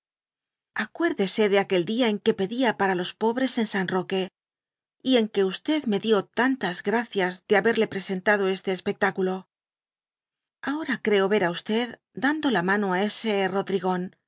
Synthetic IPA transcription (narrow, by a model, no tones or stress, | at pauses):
akwe̞ɾðe̞se̞ðe̞ake̞ld̪iae̞ŋke̞pe̞ðiapaɾalo̞spo̞βɾe̞se̞nsanro̞ke̞ | ie̞ŋke̞ust̪e̞ðme̞ðjo̞t̪ant̪azɣɾaθjazðeaβe̞ɾle̞pɾe̞se̞nt̪aðo̞e̞st̪e̞ːspe̞k̚t̪akulo̞ | ao̞ɾakɾe̞o̞βe̞ɾaust̪e̞ð | d̪and̪o̞lamãno̞ae̞se̞ro̞ðɾiɣo̞n